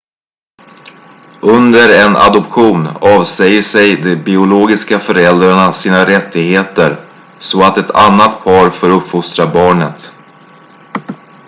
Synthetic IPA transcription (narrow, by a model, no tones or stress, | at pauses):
ʔɵnd̪əɾɛnʔa̰d̪ɔpɧuːnɑːvsɛjːəʂɛjd̪ɛbɪʊloːɡɪskafœɾɛld̪ɾaɳasiːnaɾɛt̪ːɪɡheːt̪əɾ | sɔat̪ɛt̪ʰa̰nːat̪pʰɑːɾfoːɾɵpːfʊst̪ɾabɑːɳət̪